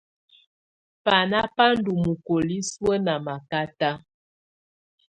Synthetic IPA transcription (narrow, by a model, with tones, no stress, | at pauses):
pa˨na˦pa˦n˦du˨mu˨ko˨li˦swə˦na˨ma˨ka˦ta˦